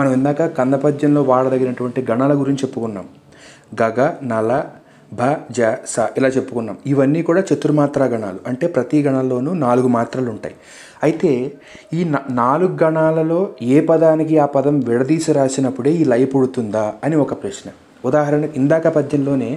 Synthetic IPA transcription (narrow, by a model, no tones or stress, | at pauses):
mɐnɐmind̪aːkɐkɐnd̪ɐpɐd̪jɐnlo̞ːʋaːɭɐd̪ɐɡːinɐʈuʋɐɳʈiɡɐɳaːlɐɡuɾiɲt͡ʃt͡ʃepːukunːa̰ːm | ɡɐɡɐnɐlɐ | bʱad͡ʒasɐilaːt͡ʃe̞pːukunːaːmiʋɐnːiːkuːɽaːt͡ʃet̪ːuɾumaːt̪ɾaːɡɐɳa̰ːluɐɳʈe̞ːpɾɐt̪iɡɐɳalːo̞ːnuːnaːluɡumaːt̪ɾaːluɳʈa̰ːji | ɐjit̪e̞ː | iːnnaːluɡuɡɐɳaːlɐlo̞ːeːpɐd̪aːnik̬iaːpɐd̪ɐmʋɛɽɐd̪iːsiɾaːsinɐpːuɽe̞ːiːlɐjɐpuɽut̪und̪aːɐniɔkɐpɾɐʂnɐ | ud̪aːɦɐɾɐɳɐind̪aːkɐpɐd̪ɲɐnlo̞ːne̞ː